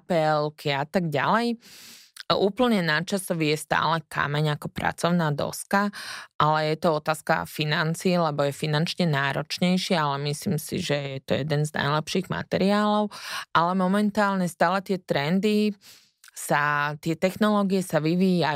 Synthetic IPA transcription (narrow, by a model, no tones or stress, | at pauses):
pɛlkʰiat̪aɡɟa̰lɛj | uːpl̩ɲɛnat͡ʃasɔʋijɛst̪a̰ːlɛka̰mɛɲakɔpɾa̰t͡sɔʊnaːd̪ɔ̰skaʔalɛjɛt̪ɔɔt̪aːska̰finant͡siːlɛbɔjɛfinant͡ʃɲɛnaːɾɔt͡ʃɲɛjʃɪaalɛmisliːmsḭʒɛjɛt̪ɔ̰jɛd̪ɛnzna̰jlɛpʃiːɣma̰t̪ɛɾiaːlɔʊʔalɛmɔmɛnt̪aːlɲɛst̪aːlɛt̪ɪɛt̪ɾɛnd̪i | sat̪ɪɛt̪ɛxnɔlɔːɡijɛsaʋiʋija